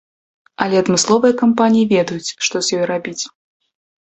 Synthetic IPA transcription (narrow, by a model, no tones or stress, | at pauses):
ɐlʲɛɐd̪mɨslˠɔvɨjɐkampanʲijivʲɛd̪ɐjut͡sʲʂt̪ɔzʲjɔjɾabʲit͡sʲ